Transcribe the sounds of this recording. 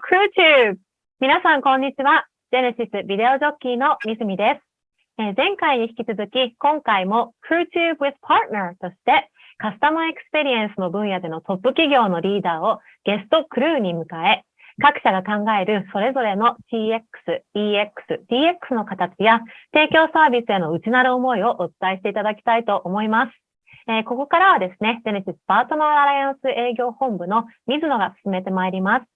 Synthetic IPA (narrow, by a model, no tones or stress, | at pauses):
kʰɾɯːt͡ɕɨːb | mʲinasãŋkõ̞ɲ̟ːit͡ɕiβa | z̥ẽ̞ɾɕit͡sɨbʲid̪e̞o̞ʑo̞kʲːiːno̞mʲisɨmʲid̪e̞sɨ̥ | ezẽ̞ŋkaiɲ̟içi̥kʲit͡sɨzɨkʲikõ̞ŋkaimo̞kʰɾɯ̟ːt͡ɕɨːbɯizpʰaɾt̪naɾt̪o̞ɕi̥t̪e̞ | kasɨ̥t̪amae̞kɯ̟̥sɨ̥pe̞ɾʲiẽ̞ɰ̃sɨno̞bɯ̟̃ɰ̃jad̪e̞no̞t̪o̞pːɯ̟kʲiɡʲo̞ːno̞ɾʲiːd̪aːo̞ | ɡ̥e̞sɨ̥t̪o̞kɯ̟ɾɯ̟ːɲ̟imɯ̟kae̞ | kakɯ̟̥ɕaɡakãŋɡae̞ɾɯ̟so̞ɾe̞zo̞ɾe̞no̞ɕʲiːekːɯ̥sɨ̥iːekːɯ̟̥sɨd̪̥ʲiːe̞kːɯ̟̥sɨno̞kat̪at͡ɕijat̪e̞ːkʲo̞ːsaːbʲisɨe̞no̞ɯ̟t͡ɕinaɾɯ̟omo̞io̞ʔot͡sɨ̥t̪aeɕi̥t̪e̞it̪ad̪akʲi̥t̪ait̪o̞ʔomo̞imasɨ̥ | eko̞ko̞kaɾaβad̪e̞sɨne̞zeniɕisɨ̥paːt̪o̞naaɾajãɰ̃sɨʔe̞ːɡʲo̞ːhõ̞mbɯ̟no̞mʲizɨno̞ɡasɨ̥sɨme̞t̪e̞maeɾʲimasɨ̥